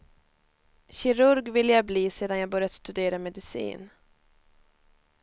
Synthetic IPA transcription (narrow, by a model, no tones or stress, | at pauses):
ɕɪɾɵɾɡvɪlːəjabliːseːd̪anjaːbœɾjad̪st̪ɵd̪eːɾamɛd̪ɪsḭːn